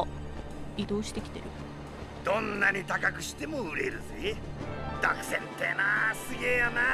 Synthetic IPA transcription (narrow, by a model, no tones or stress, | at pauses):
id̪o̞ːɕi̥t̪e̞kʲi̥t̪e̞ɾɯ̟ | d̪õ̞nːaɲ̟it̪akakɯ̟ɕi̥t̪e̞moɯɾe̞ɾɯ̟sɨid̪̥a̰kɯ̥sẽnt̪enasɨɡejana